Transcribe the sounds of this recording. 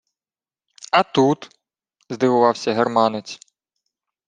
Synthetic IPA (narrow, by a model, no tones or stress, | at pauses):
ɐt̪ut̪ | zd̪ɨwʊvawsʲɐɦɛrmanɪt̪t͡s̪ʲ